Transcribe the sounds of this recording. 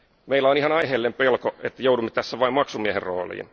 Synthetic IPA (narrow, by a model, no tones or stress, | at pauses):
meilːæonihɑnɑiheːlːempelkoet̪ːæjoudumːet̪æsːæʋɑimmɑksumiæherro̰ːlḭːn